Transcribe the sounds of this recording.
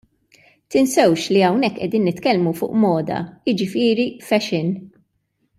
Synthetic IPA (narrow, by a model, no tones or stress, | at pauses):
t̪ɪnsɛwʃliɐwnɛkːʔɛd̪iːnːɪt̪kɛlmufʊːʔmɔːd̪ɐ̰jɪd͡ʒɪfɪːɾifɛʃɪn